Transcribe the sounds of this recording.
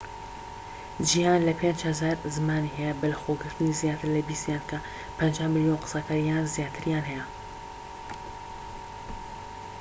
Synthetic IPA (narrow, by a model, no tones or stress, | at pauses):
d͡ʒihaːnlɐpʰend͡ʒhɐzaːɾzɨmaːniɦɛjɛbɐlxoːɡɨɾt̪ɨnizjaːt̪ɨɾlɐbiːst̪jaːnkʰɐ | pʰɐnd͡ʒaːhmɨljonqɨ̥sakaːɾijaːnzjaːt̪ʰɨɾjaːnɦɛjɛ